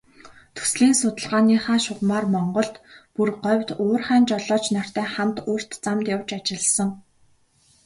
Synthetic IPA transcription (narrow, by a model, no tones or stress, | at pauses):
t̪ʰu̥sɮiːnsʊt̪ə̆ɮʁaːniːχaːʃʊʁmaːrmɔɴɢɞ̆ɮt̪purɢɔwʲt̪oːrχæːnt͡ɕɔɮɔːt͡ɕnar̥t̪æːχamt̪ʊːr̥t̪t͡samt̪jawt͡ɕat͡ɕɪ̆ɮsə̆ŋ